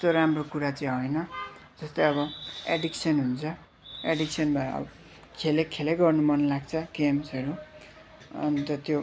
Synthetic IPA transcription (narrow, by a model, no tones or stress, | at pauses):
t̪oɾamrokuɾat͡sʌĩɦʌjnʌd͡zʌst̪ʌjʌβʌeɖiksʌnɦunt͡sʰʌ | eɖiksʌnbʱʌʌ̰bʌ | kʰelekʰelejɡʌrnumʌnlaɡt͡sʰʌɡemsʌɾu | ʌ̰nit̪ʌt̪jo